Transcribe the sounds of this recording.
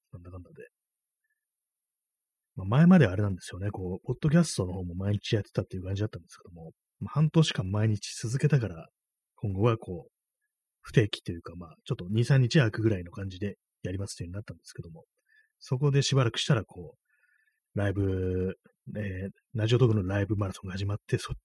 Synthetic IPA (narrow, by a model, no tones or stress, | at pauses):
nãnd̪akãnad̪e | mamae̞mad̪e̞βaɾe̞nãnd̪e̞sɨjo̞ne̞ko̞ːpo̞d̪̥ːo̞k̬ʲasɨ̥t̪o̞no̞ho̞ːmo̞maiɲ̟it͡ɕijat̪ːet̪at̪ːeiɯ̟kãɲ̟d͡ʑid̪at̪ːãnd̪e̞sɨ̥ke̞d̪o̞mo̞ | mahãnt̪o̞ːɕi̥kãmːaiɲ̟it͡ɕi̥sɨzɨke̞t̪akaɾa | kʰõ̞ŋɡo̞βakʰo̞ː | ɸɯ̟̥t̪e̞ːkʲi̥t̪ːe̞jɯ̟kamaːt͡ɕo̞t̪ːo̞ɲ̟iːsãɲ̟ːit͡ɕiaːkɯ̟ɡɯ̟ɾaino̞kãɲ̟d͡ʑid̪e̞ | jaɾʲimasɨ̥eiɯ̟inat̪ːãnd̪e̞sɨ̥ke̞d̪o̞mo̞ | so̞ko̞d̪e̞ɕibaɾakɯ̥ɕi̥t̪aɾakʰo̞ː | ɾaibɯ̟ | e | ɾaʑio̞t̪okonoɾaibɯ̟maɾɯsõ̞ŋɡahaʑimat̪ːe̞so